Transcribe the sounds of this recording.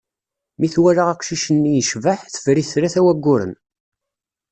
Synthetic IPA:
miθwæɾaʁæqʃiʃənːijəʃvəħθə̥fɾiθɾæθæwæɡːʊɾə̰n

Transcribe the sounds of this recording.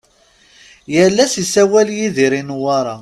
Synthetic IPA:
jəlːæsisæwæljiðiɾinwaɾˤɑ

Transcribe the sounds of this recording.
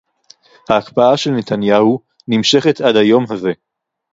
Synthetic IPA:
haːkpaaʃelne̞t̪anjahu | nimʃe̞χe̞t̪ʔadhajo̞mɦaze̞

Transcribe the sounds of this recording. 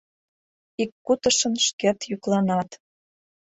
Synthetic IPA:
ikːut̪ə̆ʃə̆nʃket̪juklɑnɑt̪

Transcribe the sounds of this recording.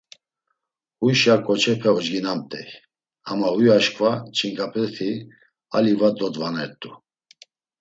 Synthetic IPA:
hujʃakʼɔt͡ʃʰɛpʰɛɔd͡ʒɡinamt̪ʼɛ̰j | a̰mahujaʃkʰʼvat͡ʃʰʼiŋkʼapʰʼɛt̪ʰi | alivad̪ɔd̪vanɛt̪ʼu

